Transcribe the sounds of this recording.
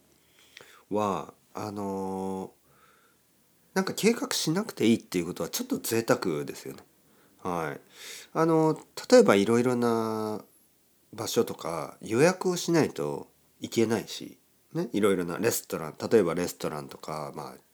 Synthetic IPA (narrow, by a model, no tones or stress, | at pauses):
βa | ano̞ | nãŋkakʰe̞ːkakɯ̟̥ɕinakɯ̟̥t̪e̞iːt̪ːeiɯ̟ko̞t̪o̞at͡ɕo̞t̪ːo̞t͡sɨe̞t̪akɯ̟d̪e̞sɨjo̞̰ne | haḭ | ano̞t̪ḁt̪o̞e̞baiɾo̞iɾo̞na | baɕo̞t̪o̞ka̰jo̞jakɯ̟o̞ɕinait̪o̞̰ | ike̞naiɕḭ | ne̞iɾo̞iɾo̞na̰ɾe̞sɨ̥t̪o̞ɾã̰nt̪at̪o̞e̞baɾe̞sɨ̥t̪o̞ɾã̰nt̪o̞kama̰ː